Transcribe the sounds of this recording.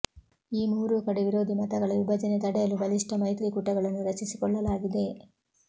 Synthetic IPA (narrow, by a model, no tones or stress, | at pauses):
iːmuːɾukɐɽeʋiɾo̞ːd̪ʱimɐt̪ɐɡɐɭɐʋibʱɐd͡ʒɐnet̪ɐɽɛjɐlubɐliʂʈɐmɐjt̪ɾikuʈːɐɡɐɭɐnːuɾɐt͡ʃisi̥kɔɭːɐlaːɡid̪e̞